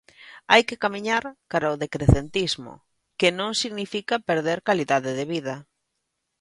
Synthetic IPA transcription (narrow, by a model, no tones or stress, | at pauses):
ajkɪkamiɲaɾkaɾaoðekɾeθent̪izmʊ̰ | kɪnõŋsiɣnifikɐpeɾðeɾkaliðaðɪðeβiðɐ